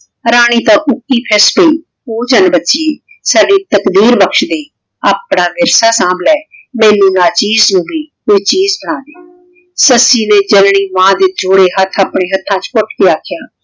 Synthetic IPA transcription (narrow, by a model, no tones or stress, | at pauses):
ɾaːɽ̃iːt̪ãːʔʊkːiːpʰɪspəiː | oːd͡ʒənbətːʃiːeː | saːɖiːt̪əkd̪iːɾbəkʃd̪eː | aːpɳaːmɪɾsaːsãːblɛːmɛ̃ːnũːnaːt͡ʃiːznũːbiːɦoit͡ʃiːzbəɽ̃ãːneː | səsiːnẽːd͡ʒənɳiːʋãːd̪eːd͡ʒoːɽeːɦət̪ʰːaːpɳeːɦət̪ʰːãːt͡ʃkʊʈʰkeːaːkʰːjaː